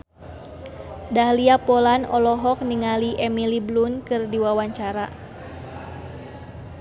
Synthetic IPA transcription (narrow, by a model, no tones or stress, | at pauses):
dahliapɔlanɔlɔɦɔk̚niŋaliʔɛmiliblunkɨrdiwawaɲt͡ʃaɾa̰